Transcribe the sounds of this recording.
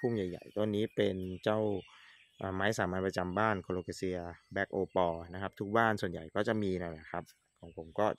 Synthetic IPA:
pʰu˥˩ŋja˨˩jːa̰˨˩jt̪o˧nːiː˦˥pe˧nt͡ɕa˥˩w | ʔaː˨˩maː˦˥jsaː˩˦maː˧npɾa˧t͡ɕa˧mbaː˥˩nkʰo˧loː˧ka˧si˧ɐbɛː˦˥k̚ʔoː˧pɔː˧na˦˥kʰa˦˥p̚t̪ʰu˦˥k̚baː˥˩nsu˨˩ənja̰˨˩jkɔː˥˩t͡ɕa˨˩ʔmiː˧na˧˥˩la˧˩kʰɾa˦˥p̚ | kʰɔː˩˦ŋpʰo˧ŋkɔː˥˩

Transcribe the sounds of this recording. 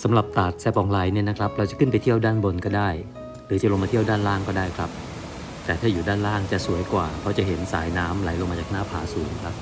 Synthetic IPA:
sa˩˦mɾa˨˩p̚t̪aː˨˩t̪̚sɛː˧˩p̚ʔɔː˨˩ŋla˨˦jni˥˩na˦˥kʰɾa˦˥p̚ɾa˧wt͡ɕa˨˩kʰɯ˥˩np̬a˧jt̪ʰi˥˩əwdaː˥˩nbo˧nkɔː˥˩daː˥˩j | ɾɯː˩˦t͡ɕa˨˩lo˧ŋmaː˧t̪ʰi˥˩əwdaː˥˩nlaː˥˩ŋkɔː˥˩daː˥˩jkʰɾa˦˥p̚ | t̪ɛː˨˩t̪ʰaː˥˩juː˨˩daː˥˩nlaː˥˩ŋt͡ɕa˨˩su˨˩˦əjkwaː˨˩pʰɔ˦˥t͡ɕa˨˩ɦe˩˦nsaː˩˦jnaː˦˥mla˨˩˦jlo˧ŋmaː˧t͡ɕaː˨˩k̚naː˥˩pʰaː˩˦suː˩˦ŋkʰɾa˦˥p̚

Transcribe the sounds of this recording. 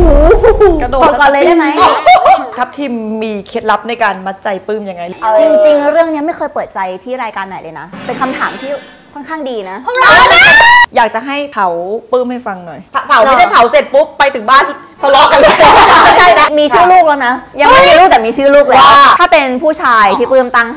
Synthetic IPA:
a˧no˨˩˨kɔː˧˩lɤː˧jdaː˥˩jma˦˥j | k̪ʰa˦˥p̚t̪ʰiː˧mːiː˧kʰe˦˥t̪̚la˦˥p̚na˧jkaː˧nma˦˥t̪̚t͡ɕa˧jpɯː˥˩mja˧ŋːa˧jt͡ɕi˧ŋt͡ɕi˧ŋɾɯ˥˩əŋni˦˥ɐma˥˩jkʰɤː˧jpɤː˨˩t̪̚t͡ɕa˧jt̪ʰiː˥˩ɾaː˧jkaː˧nːa˨˩˦jlɤː˧jna˦˥pe˧nkʰa˧mt̪ʰa̰ː˩˦mt̪ʰiː˥˩ | kʰɔ˥nkʰaː˥˩ŋdiː˧na˦˥˧ | jaː˨˩k̚t͡ɕa˨˩ɦa˥˩jpʰa˨˩˦wpɯː˥˩mha˥˩jfa˧ŋnɔ˨˩jʰpʰa˨˩˦wnː˦˥da˥˩pʰa˨˩˦wse˨˩t̪̚pu˦˥pːa˧jt̪ʰɯ˨˩˦ŋbaː˥˩n | t̪ʰa˧lɔ˦˥ka˧la˥˩daː˥˩a˦˥˩miː˧t͡ɕʰɯː˥˩luː˥˩k̚lɛː˦˥wna˦˥ja˧ŋma˥˩jmiː˧luː˥˩t̪ɛː˨˩miː˧t͡ɕʰɯː˥˩luː˥˩k̚lːaː˥˩aː˥˩pe˧npʰuː˥˩t͡ɕʰaː˧jt̪ʰiː˥˩pɯː˥˩mt̪a˥˩ŋ

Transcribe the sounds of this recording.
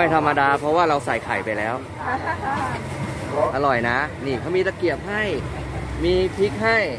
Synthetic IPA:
a˥˩jt̪ʰa˧mːa˧daː˧pʰɔ˦˥waː˥˩ɾa˧wsa̰˨˩˦jkʰa̰ː˩˦jpa˧jlɛː˦˥w | ʔ̪a˧ɾɔ˨˩jna˦˥niː˧˩kʰa˦˥wmiː˧t̪a˧ki˨˩əp̚ɦa˥˩j | miː˧pʰi˦˥k̚ɦa˥˩j

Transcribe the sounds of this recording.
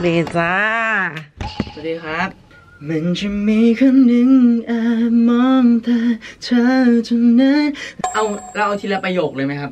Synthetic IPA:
beː˧˩saː˧ | sswa˨˩t̚diː˧˩xʰɾa˦˥p̚ | ma˧˦nt͡ɕʰɯ˧mmiː˧˥kʰa˧˥ŋnɯ˧˥ŋʔaː˧˩mɔ˦˧˥mt̪ʰaː˧t͡ɕʰa˧˥t͡ɕʰu˧na˦˥ʔa˧˩wɾa˧wt̪ʰiː˧la˧˩pɾa˧joː˨˩k̚lɤː˧˩jma˦˥jkʰa˦˥p̚

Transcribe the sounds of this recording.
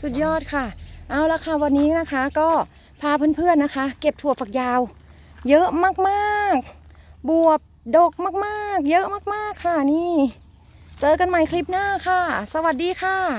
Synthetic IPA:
su˨˩jɔː˥˩t̪̚kʰa˧˥˩ʔaː˧˩wla˧˥kʰa˧˩waː˧nːiː˦˥na˦˥kʰa˦˥kɔː˥˩ | pʰaː˧˩pʰɯː˧˥˨npʰɯ˥˩ənːa˦˥kʰa˦˥ke˨˩p̚t̪ʰu˧˩əfa˨˩k̚jaː˧w | jɤ˦˥ʔmaː˧˥˩k̚maː˥˩k̚ | bu˨˩əp̚do˨˩k̚maː˧˥˩k̚maː˥˩k̚jɤ˦˥ʔmaː˧˥˩k̚maː˥˩kʰːa˧˩niː˧˥˨ | t͡ɕɤː˧ka˧nma˧˥˩jkʰli˦˥p̚naː˥˩kʰa˧˥˩sa˧wa˨˩t̪̚diː˧kʰa˧˩

